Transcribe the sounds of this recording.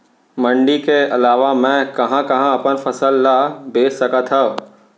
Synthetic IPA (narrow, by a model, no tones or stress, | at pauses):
mɐ̃ɳɖikeɐlaːʋamɛ̃kɐɦãkɐɦãɐpənfɐsəlːabeːssɐkat̪ʰɐ